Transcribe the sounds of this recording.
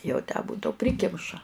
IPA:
jɛʊ tʲæː ˈbʊdɐʊ ˈpʲrʲɪkʲɪmʃɐ

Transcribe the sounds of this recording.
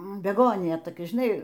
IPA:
bʲɛˈɡoːnʲɪjɛ toːˈkʲɛ ʒʲɪˈnɐɪ

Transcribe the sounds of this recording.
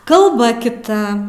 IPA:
kɐlˠˈbɐ kʲɪˈtɐ

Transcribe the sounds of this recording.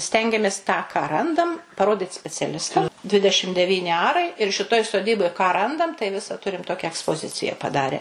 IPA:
ˈsʲtʲɛŋʲɡʲɛmʲeːs tɑː kɑː ˈrɐndɐm pɐˈroːdʲɪt sʲpʲɛt͡sʲɛˈlʲɪstɐm ˈdʲʋʲɪdʲɛʃʲɪm dʲɛˈʋʲiːnʲɪ ˈɑːrɐɪ ɪr ʃʲɪˈtoːj soːˈdʲiːboːj kɑː ˈrɐndɐm tɐɪ ˈʋʲɪsɐ ˈtʊrʲɪm ˈtoːkʲɛ ɛkspoːˈzʲɪt͡sʲɪjɛ pɐˈdɑːrʲɛ

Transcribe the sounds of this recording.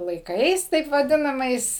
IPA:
lˠɐɪˈkɐɪs tɐɪp ʋɐˈdʲɪnɐmɐɪs

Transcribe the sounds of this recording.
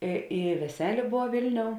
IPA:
ɪ ɪ ʋʲɛˈsʲæːlʲeː ˈboːw ˈʋʲɪlʲˌnʲoːʊ

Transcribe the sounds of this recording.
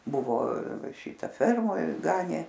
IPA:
ˈbʊʋoː ˈʃʲɪtɐ ˈfʲɛrmoːj ˈɡɑːnʲeː

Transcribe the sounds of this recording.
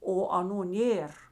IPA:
oː ɐˈnuː ˈnʲeːr

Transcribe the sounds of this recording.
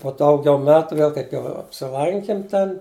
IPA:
poː ˈdɐʊɡʲɛʊ ˈmʲæːtʊ ˈʋʲeːlˠ kɐɪp jɛʊ ɐpʲsʲɪˈlˠɐŋʲkʲɪm ˈtʲɛn

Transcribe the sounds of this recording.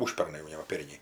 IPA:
ˈʊʃʲpʲɛrnɐɪ jɛʊ ˈnʲɛ ʋɐ ˈpʲɛrʲnʲɛɪ

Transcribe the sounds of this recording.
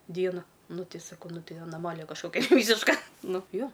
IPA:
ˈdʲiɛnoː ˈnʊ ˈtʲɪ sɐˈkɐʊ ˈnʊ ˈtʲɪ ɐnɐˈmɑːlʲɪjɛ kɐʃˈkoːkʲɛ ˈʋʲiːsʲɪʃkɐ ˈnʊ ˈjoː

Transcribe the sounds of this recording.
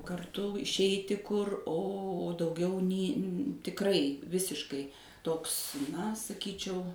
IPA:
kɐrˈtʊ ɪʃʲˈɛɪtʲɪ ˈkʊr oː dɐʊˈɡʲɛʊ nʲɪ tʲɪkˈrɐɪ ˈʋʲɪsʲɪʃkɐɪ ˈtoːks nɐ sɐˈkʲiːt͡ʃʲɛʊ

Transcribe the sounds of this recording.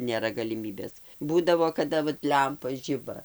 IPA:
nʲeːˈrɐ ɡɐlʲɪˈmʲiːbʲeːs ˈbuːdɐʋoː kɐˈdɐ ʋɐt ˈlʲɛmpɐ ˈʒʲɪbɐ

